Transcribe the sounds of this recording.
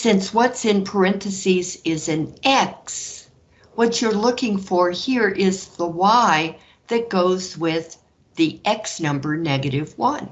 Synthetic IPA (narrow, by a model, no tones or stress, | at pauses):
sɪ̃nswʌtsɨ̃npʰə˞ɛ̃nθɨsizɪzɨ̃nʔɛks | wʌt͡ʃə˞lʊkɪ̃ŋfə˞hiɹʔɪzðəwaɪ | ðɨt̚ɡ̥oʊzwɪð | iʔɛksnʌ̃mbə˞nɛɡɨɾɪvwʌ̃n